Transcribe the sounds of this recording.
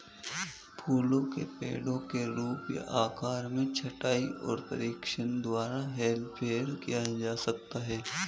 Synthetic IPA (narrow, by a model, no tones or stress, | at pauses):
pʰuːlõkḛpḛːɽõkeɾuːpja̰ʔaːkaːɾmẽt͡ʃʰɐʈaːiɔ̰ːɾpə̰ɾiːkʃənd̪waːɾaɦɛːlpʰeːəɾkijad͡ʒaːsɐk̚t̪aɦɛː